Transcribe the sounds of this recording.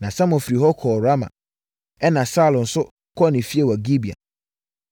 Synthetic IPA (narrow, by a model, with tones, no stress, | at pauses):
nã˨sã˦mʊ̃˨fɾi˨ɦɔ˦kʰɔ˨ɾa˦mã̰˨ | ɛ˦nã˨saː˦lʊ̃˨n̩˨sʊ˦ | kʰɔ˦˨nɪ̃˨fi˦e˨wa˨ɡi˦bi˨a̰˨